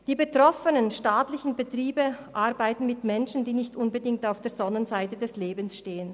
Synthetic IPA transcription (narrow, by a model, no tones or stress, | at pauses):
d̥iːbətʁ̥ɔfənənʃtaːtlɪçn̩bətʁ̥iːbəʔaʁbaɪtn̩mɪtmɛnʃn̩diːnɪçtʔʊnbədɪŋktaʊfd̥eːɐzɔnənzaɪtədɛsleːbn̩sʃteːən